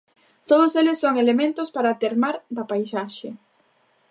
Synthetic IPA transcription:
t̪oð̞ʊselɪsːoŋelemẽnt̪ʊspaɾat̪eɾmaɾðɐpajsaʃe

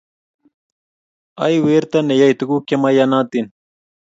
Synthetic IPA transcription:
ajweːɾt̪ɐnejajt̪uɡukemajanaːt̪in

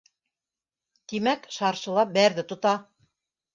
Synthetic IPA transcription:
t̪imækʃɑɾʃɤ̆lˠɑbæɾðɘt̪ŏt̪ɑ

